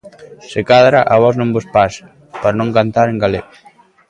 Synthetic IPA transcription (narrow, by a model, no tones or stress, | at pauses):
sekaðɾaʔaβɔznõmbospas | paɾnõŋkant̪aɾeŋɡaleɣ